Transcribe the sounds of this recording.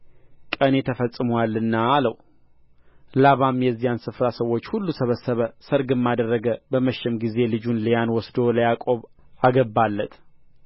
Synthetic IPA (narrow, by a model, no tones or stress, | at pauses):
kʼənet̪ʰəfəsʼːɨməwalːɨnːaːləw | laβamjɛzːijansɨfɾasəwːot͡ʃːhulːusəβəsːəβəsəɾɡɨmːad̪ərːəɡəbəməʃːɛmɡize̞lɨd͡ʒunlejanwɔsd̪o̞ləjakʼo̞βaɡəbːalːət̪